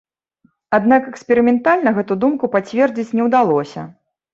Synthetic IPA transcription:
ad̪nakɛkspʲɛɾɨmʲɛnt̪alʲnɐɣɛt̪ud̪umkupat͡sʲvʲɛrd͡zʲit͡sʲnʲɛwd̪alˠɔsʲɐ̰

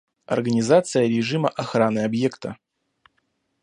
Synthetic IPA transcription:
ɐ̰rɡənʲɪzat̪sɨjəɾʲɪʐɨmə̰ʔɐxɾanɨɐbje̞kt̪ə

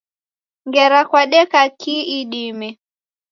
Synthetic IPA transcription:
ŋɡɛɾakwaɗɛkakiiɗimɛ

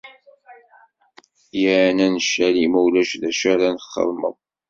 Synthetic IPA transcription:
jəʕnænəʃːælimæwlæʃðæʃæɾanəχːə̰ɾmə̰ðˤ

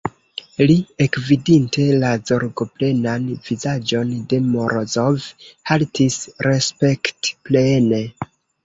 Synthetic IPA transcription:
liekvidinte̞lazoɾɡople̞nanvizad͡ʒo̞nde̞moɾozovhaltʰisɾespektplene

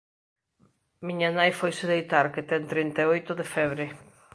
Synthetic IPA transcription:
miɲanajfojsɪðejt̪aɾket̪ɛnt̪ɾint̪aojt̪ʊðefɛβɾɪ

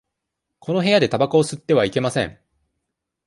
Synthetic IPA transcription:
kʰo̞noɦe̞jad̪e̞t̪abakaosɨt̪ːe̞βaike̞masẽ̞̰ŋ

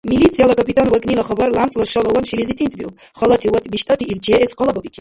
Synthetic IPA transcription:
milit̪sʰijalakʼɔpʼit̪ʼanwakʼnilaχɔbaɾlamt͡sʼlɔʃɔlˠɔwɔnʃilizit̪ʼint̪bḭw | χɔlat̪ʰiwat̪ʼbiʃt̪ʼat̪ʰiːlt͡ʃʰɛɛɛsqʼɔlˠabɔbikʰi

